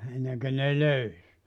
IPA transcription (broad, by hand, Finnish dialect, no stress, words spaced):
enːeŋkø ne løys